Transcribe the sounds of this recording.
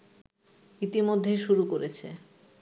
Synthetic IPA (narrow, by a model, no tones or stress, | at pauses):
it̪imod̪ʱːeʃuɾukoɾet͡ɕʰḛ